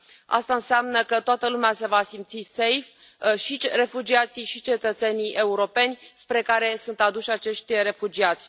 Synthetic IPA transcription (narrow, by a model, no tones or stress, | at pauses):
a̰st̪aɨnseamnəkət̪oat̪əlumease̞vasimt̪sise̞jf | ʃire̞fud͡ʒiat̪siʃit͡ʃe̞t̪ət̪se̞nijʔe̞uɾo̞pe̞nʲspɾe̞kaɾe̞sunt̪ad̪uʃʲat͡ʃe̞ʃt̪ʲre̞fud͡ʒiat̪sʲ